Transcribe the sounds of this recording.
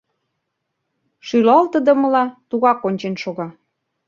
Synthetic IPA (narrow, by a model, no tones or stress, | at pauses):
ʃylɑlt̪ə̆d̪ə̆mə̆lɑt̪uɣɑkonʲt͡ɕenʃoɣɑ